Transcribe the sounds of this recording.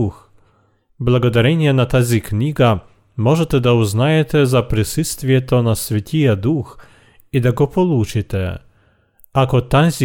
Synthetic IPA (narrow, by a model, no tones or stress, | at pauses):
x | blˠɐɡɔd̪ɐɾʲɛnʲɪjɛnɐt̪azʲiknʲiɡɐ | mɔʐɛt̪ɛd̪ɐʊznajɛt̪ɛzɐpɾʲɪsɨst̪vʲɪjɛt̪ɔnɐsvʲɐtʲijad̪ux | id̪ɐɡɔpɔlˠut͡ʃɪt̪ɛ | akɔt̪azʲi